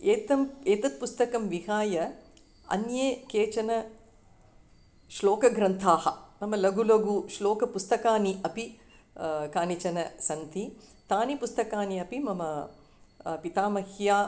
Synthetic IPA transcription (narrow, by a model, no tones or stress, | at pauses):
eːt̪ɐmeːt̪ɐt̪̚pust̪ɐkɐmʋiɦaːjɐ | ɐ̰njeːkeːt͡ʃɐnɐ | ʃloːkɐɡɾɐnt̪ʰaːhɐmɐmɐlɐɡulɐɡuʃloːkɐpust̪ɐkaːniʔɐpi | kaːnit͡ʃɐnɐsɐnt̪it̪aːnipust̪ɐkaːniɐpimɐmɐ | pit̪aːmɐhjaː